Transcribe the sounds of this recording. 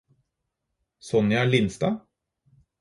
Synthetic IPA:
sɔnjɑæɭɪnst̪ɑː

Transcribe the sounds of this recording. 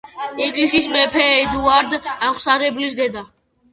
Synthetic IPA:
iŋɡlisismɛpʰɛːd̪uaɾd̪aχsaɾɛbulis̬d̪ɛd̪a

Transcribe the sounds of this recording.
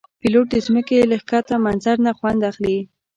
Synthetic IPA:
piloʈ̚d̪əzməkeləxkat̪amanzaɾnaxwand̪axli

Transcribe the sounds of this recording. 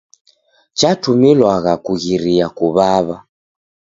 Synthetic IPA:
t͡ʃatumilwaɣakuɣiɾiakuβaβa

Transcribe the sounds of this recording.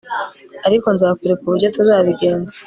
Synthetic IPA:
aɾiko̞nzaːkiɾekuβuɾɟo̞tuzaːβiɡe̞ːnza

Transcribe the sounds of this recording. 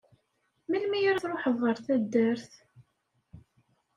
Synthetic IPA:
milmijɾæθɾˤoħəvˤːəɾˤθæd̪ːəɾθ

